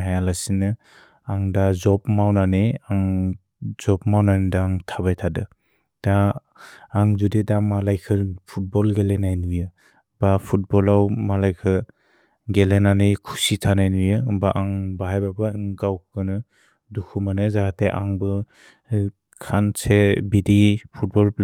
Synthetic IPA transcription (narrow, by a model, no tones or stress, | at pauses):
ɦajalasinɯ | aŋdazɔpmawnaneaŋ | z̥ɔp̚mawnanedaŋtʰaβajtʰadɯ | d̥aː | ŋzudedaŋmalajkʰɯpʰut̚bɔlɡelenajnujɯ | bapʰut̚bɔlawmalajkʰɯ | ɡelenanejkʰu̥sitʰanajnujɯbaʔaŋbaɦajbabɯŋɡawkkɯnɯ | dukʰumanɯzahateʔaŋbɯ | kʰansebidipʰut̚bɔl